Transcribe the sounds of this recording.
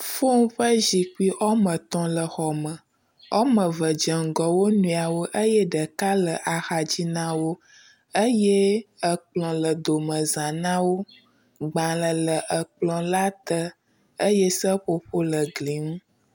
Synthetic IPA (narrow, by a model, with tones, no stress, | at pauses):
fo˦ŋ˦ɸə˦ʒi˨ki˦ʔɔ˦mə̃˨t̪ɔ̃˨lə˨xɔ˨mə̃˨ | ɔ˦mə̃˨və˨d͡ʒə˨ŋ̩˨ɡɔ˨wo˦nũ˨˦˨a˨wo˦ʔə˦jɛ˦ɖə˨ka˦lə˨ʔa˨xa˨d͡ʑi˦nã˦wo˦ | ə˦je˦ə˨k͡plɔ̃˨lə˨d̪o˨mə̃˨zã˨nã˦wo˦ | ɡ͡bã˨lə˨lə˨ʔə˨k͡plɔ̃˨la˦t̪ə˦ | ə˦jɛ˦sə˦ɸo˦ɸo˦lə˨ɡli˨ŋũ˦